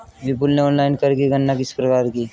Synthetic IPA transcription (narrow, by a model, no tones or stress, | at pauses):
bɪp̬ʊlneɔːnlaːɪnkɐɾkiɡʱɐnːakɪsi̥pɾɐkaːɾkiː